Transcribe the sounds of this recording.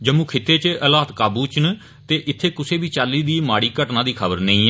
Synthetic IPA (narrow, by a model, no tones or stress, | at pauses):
d͡ʒəmũːkʰɪt̪ːeːt͡ʃʔəlaːt̪kaːbuːt͡ʃən | t̪eːʔɪt̪ʰːeːkʊseːbiːt͡ʃaːliːd̪iːmaːɽiːkəʈnãːd̪iːkʰəbəɾnə̃ĩːɛ